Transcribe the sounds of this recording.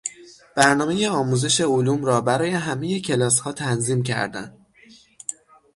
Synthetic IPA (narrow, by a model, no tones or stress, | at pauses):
b̥æɾnɒːme̞je̞ɒːmuːze̞ʃe̞oluːmɾɒːbæɾɒːje̞ɦæmeje̞cʰe̞lɒːshɒːt̪ʰænziːmcʰæ̰ɾd̪æ̰n